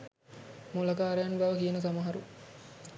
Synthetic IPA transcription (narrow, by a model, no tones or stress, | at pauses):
mulɐkaːɾejanbaʋəkijenəsamaɦaɾu